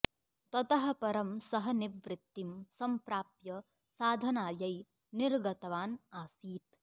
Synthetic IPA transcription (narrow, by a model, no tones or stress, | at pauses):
t̪ɐt̪ɐɦɐ̆pɐɾɐmsɐɦɐniʋɾɪt̪ːimsɐmpɾaːpjɐ | saːd̪ʱɐnaːjɐj | niɾɡɐt̪ɐʋaːnaːsiːt̪